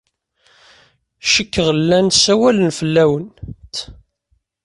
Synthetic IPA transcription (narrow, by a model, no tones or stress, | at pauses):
ʃəkːəʁlːænsæwælənfəlːæwənt̪